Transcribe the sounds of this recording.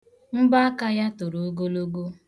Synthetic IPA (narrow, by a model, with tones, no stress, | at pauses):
m̩˦ba˦a˦ka˦ja˦tʊ˨ɾu˨o˦ɡo˦lo˦ɡo˦